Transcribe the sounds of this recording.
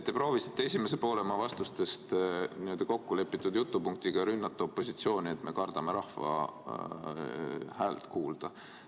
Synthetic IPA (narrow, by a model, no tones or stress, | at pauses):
t̪ːepro̞ːvisi̥t̪ːˑee̞sʲimese̞po̞ːlemɑvɑst̪ust̪e̞st̪niø̞ld̪̥ɑko̞kːule̞pːˑit̪ːˑud̪̥jut̪ːˑupuŋk̚t̪iɡ̥ɑɾynːɑt̪ːˑuopːo̞sit̪sio̞ːnʲie̞t̪ːˑme̞kɑrd̪̥ɑme̞ɾɑhfɑ̰ | hæːlt̪kuːld̪̥ɑ